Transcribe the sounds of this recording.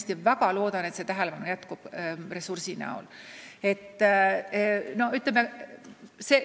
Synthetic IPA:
st̪ivæɡɑlo̞ːd̪̥ɑne̞t̪se̞t̪æɦelepɑnujæt̪kub̥re̞sursinæ̰o̰le̞t̪ːˑ | no̞yt̪leme | se

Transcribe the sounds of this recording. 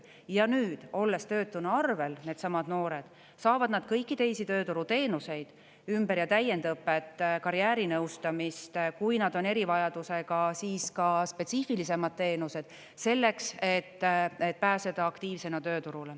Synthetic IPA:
jɑnyːd̪̥o̞lːe̞st̪ø̞ːt̪ːˑunuɑrve̞lne̞ːd̪̥sɑmɑd̪̥no̞ːɾe̞d̪̥ | sɑːvɑd̪nɑd̪̥kɤjkːit̪e̞jsit̪ø̞ːt̪uɾut̪e̞ːnuse̞jd̪̥ | ymbeɾjɑt̪æje̞nd̪ɤpːe̞t̪ːˑkɑɾjæːɾinɤwst̪ɑmist̪kujnɑd̪o̞ne̞ɾivɑjɑd̪̥use̞ɡ̥ɑsiːskɑspe̞t̪sifilis̬e̞mɑd̪̥̚t̪e̞ːnuse̞d̪̥ | se̞lːe̞kset̪ːet̪̚ːpæːse̞d̪̥ɑɑkt̪iːvse̞nɑt̪ø̞ːt̪uɾule

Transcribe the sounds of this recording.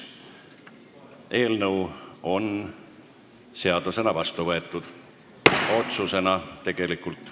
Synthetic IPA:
e̞ːlnɤwo̞n | se̞ɑd̪use̞nɑvɑst̪uvɤe̞t̪ˑːud̪̥ | o̞t̪suse̞nɑt̪e̞ɡ̥e̞likult̪ːˑ

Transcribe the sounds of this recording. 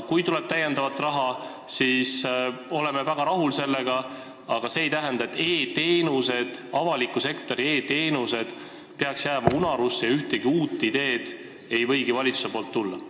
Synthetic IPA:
kujt̪ulɛb̥̚t̪æjːe̞nd̪̥ɑvɑt̪ːˑrɑɦɑ | siːso̞le̞mevæɡ̥ɑɾɑɦulse̞lːe̞ɡ̥ɑ | ɑɡ̥ɑse̞ːjt̪æɦend̪ɑet̪ːe̞ːt̪e̞ːnuse̞d̪̥ɑvɑlikːuse̞kt̪o̞ɾie̞ːt̪e̞ːnuse̞d̪̥ | peɑksjæːmɑunɑɾusːejɑyht̪e̞ɡ̥iuːt̪ːˑid̪e̞ːd̪̥ | e̞jvɤ̞jɡivɑlʲit̪su̥se̞poːlt̪ːulːɑ

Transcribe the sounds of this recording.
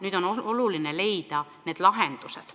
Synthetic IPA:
nyːd̪̥o̞noolulinele̞jd̪̥ɑne̞ːd̪̥lɑɦend̪̥used̪̥

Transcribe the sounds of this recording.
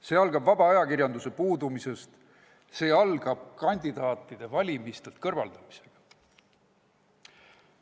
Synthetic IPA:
se̞ːɑlɡ̥ɑbvɑb̥ɑɑjɑkirjɑnd̪use̞puːd̪umise̞st̪ | se̞ːɑlɡ̥ɑb̥̚kɑnʲd̪̥id̪̥ɑːt̪ːˑid̪̥e̞vɑlʲimist̪e̞lt̪̚kɤrvɑld̪̥ɑmi̥se̞ɡ̥ɑ̥

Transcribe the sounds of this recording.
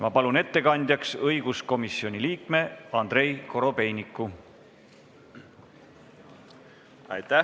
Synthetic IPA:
mɑpɑlune̞t̪ːe̞kɑnʲd̪jɑksɤjɡ̥usko̞misio̞nʲiliːkme̞ɑnd̪ɾe̞jko̞ɾo̞pe̞jnikːˑu | ɑ̰jt̪æ

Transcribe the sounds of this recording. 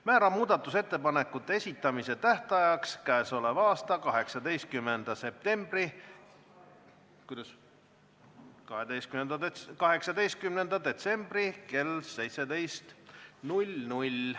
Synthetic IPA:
mæːɾɑmuːd̪̥ɑt̪ːˑuse̞t̪ːe̞pɑne̞kːˑut̪ːˑee̞sʲit̪ːˑɑmise̞t̪æht̪ɑjɑkskæeso̞levɑːst̪ɑkɑɦe̞ksɑd̪e̞jst̪̚kymːend̪̥ɑse̞p̚t̪e̞mb̥ri | kud̪ɑs | kɑhed̪ejst̪kymend̪̥ɑkɑɦe̞ksɑd̪e̞jst̪̚kymnend̪̥ɑd̪e̞t̪se̞mb̥rike̞lse̞jt̪se̞d̪e̞jst̪nulʲnulʲ

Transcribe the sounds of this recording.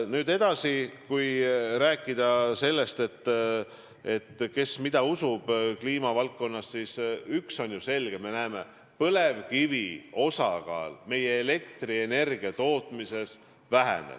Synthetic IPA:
nyːd̪e̞d̪̥ɑsikujɾæːkˑːid̪̥ɑse̞lːe̞st̪e̞t̪ː | e̞t̪ːke̞smid̪̥ɑusub̥kliːmɑvɑlk̚ko̞nːɑssisykso̞njuse̞lɡ̥e̞me̞næːme̞ | pɤle̞vkivio̞sɑkɑ̰ːlme̞je̞ːle̞kt̪riene̞rɡ̥iɑt̪o̞ːt̪ːˑmise̞s | væɦḛnḛ

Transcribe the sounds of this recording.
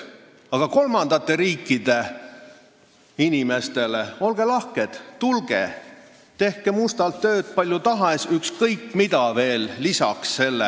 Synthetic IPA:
ɑɡ̥ɑko̞lmɑnd̪̥ɑt̪ːˑe̞ɾiːkːid̪̥e̞ | inime̞st̪e̞le̞o̞lɡ̥e̞lɑhked̪̥t̪ulɡ̥ḛ | t̪e̞hkemust̪ɑlt̪ːø̞ːd̪̥̚pɑlʲjut̪ɑɦesykskɤjkːmid̪ɑve̞ːlːisɑ̰ksːe̞lːe

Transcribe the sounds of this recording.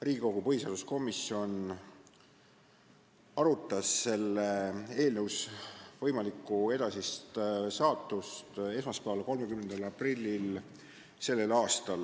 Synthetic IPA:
riːɡiko̞ɡupɤhiseɑːd̪usko̞misio̞n | ɑɾut̪ˑːɑsːe̞lːee̞ːlnəwsvɤjmɑlikːˑue̞d̪̥ɑsist̪sɑːt̪ːˑust̪e̞smɑspæɑlko̞lmekymnend̪ɑlɑprilʲːil | se̞lːe̞lɑːst̪ɑl

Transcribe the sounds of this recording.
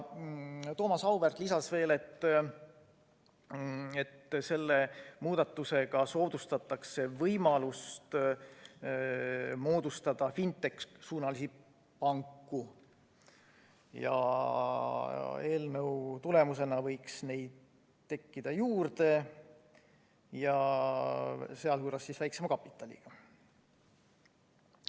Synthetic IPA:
t̪o̞ːmɑsɑwvert̪lisɑsve̞ːle̞t̪ː | et̪ːse̞lːe̞muːd̪̥ɑt̪ːˑuse̞ɡ̥ɑso̞ːd̪̥ust̪ɑt̪ːˑɑkse̞vɤjmɑlust̪ | mo̞ːd̪̥ust̪ɑd̪̥ɑfint̪ːˑe̞kssuːnɑlisi | pɑŋkːu | jɑ̰ | e̞ːlnɤwt̪ule̞muse̞nɑvɤjksne̞jd̪̥ | t̪ːe̞kːid̪̥ɑjuːrd̪e̞ | jɑ | se̞ɑljuːɾɑsːisvæjksemɑkɑpːˑit̪ːˑɑlʲḭɡ̥ɑ

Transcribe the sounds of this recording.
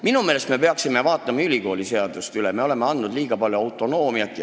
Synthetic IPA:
minume̞ːlest̪me̞pe̞ɑksimevɑːt̪ˑːɑmɑylʲiko̞ːlʲise̞ɑd̪ust̪yleme̞o̞le̞meɑnd̪nud̪liːɡ̥ɑpɑlʲjuɑwt̪ːˑo̞no̞ːmiɑt̪ːˑj

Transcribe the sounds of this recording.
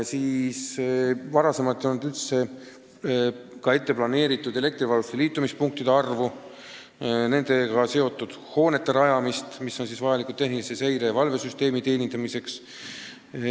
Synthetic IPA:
siːsvɑɾɑse̞mɑt̪ːˑjolnːud̪ylt̪se̞ | kɑe̞t̪ːe̞plɑne̞ːɾit̪ːˑud̪e̞le̞k̚t̪rivɑlust̪eliːt̪ːˑumispuŋk̚t̪id̪e̞ɑrvu | ne̞nd̪̥e̞kɑse̞o̞t̪ːˑud̪̥ho̞ːne̞t̪ːe̞ɾɑjɑmist̪misːo̞nsisvɑjɑlikult̪e̞ɦnilise̞se̞jɾe̞vɑlve̞syst̪e̞ːmit̪e̞ːnʲint̪ɑmise̞ks

